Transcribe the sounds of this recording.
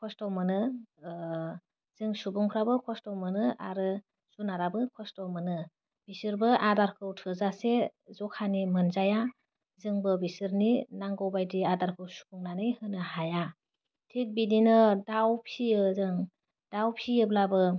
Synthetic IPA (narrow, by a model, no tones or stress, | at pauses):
kʰɔstɔmɯnɯ | z̥ɯŋsubuŋpʰɾabɯkʰɔstɔmɯnɯaɾɯ | sunaɾabɯkʰɔstɔmɯnɯ | b̥isɯɾbɯʔadaɾkʰɯwtʰɯzasezɔkʰanimɯnzaja | zɯŋbɯbisɯɾninaŋɡɔwbajdiadaɾkʰɯwsu̥buŋnanɯjhɯnɯhaja | tʰik̚bininɯdawpʰiɯzɯŋ | d̥awpʰiɯblabɯ